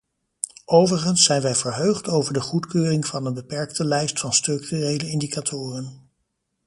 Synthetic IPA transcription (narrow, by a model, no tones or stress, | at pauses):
ʔowvəɹχənsːɛjnʋɛjvəɹɦøɥχtowvəɹdəχutkøːrɪŋvɑnənbəpɛɹk̚tʰəlɛjstfɑnstrɵk̚tyrejləɪndikatʰʊːrən